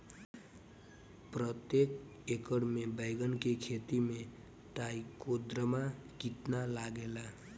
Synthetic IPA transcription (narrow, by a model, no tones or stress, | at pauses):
pɾət̪jekekəɽmebəjɡənkekʰet̪ime | ʈaikod̪ɾəmakit̪nalaɡela